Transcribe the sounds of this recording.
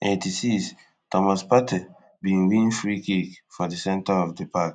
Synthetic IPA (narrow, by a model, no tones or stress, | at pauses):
etisis | tɔmaspatʰɛ | bĩnwĩnfɹikikfɔdisɛ̃ntaɔfdipak